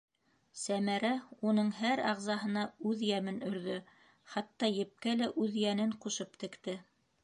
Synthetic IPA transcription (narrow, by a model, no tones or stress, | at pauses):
sæmæɾæunɤɴhæɾɑʁzɑɦɤ̆nɑʉðjæmɘnɵ̆ɾðɵ | χɑt̪ːɑjɘ̆p̚kælæʔʉðjænɘɴquʃɤpt̪ɘ̆kt̪ɘ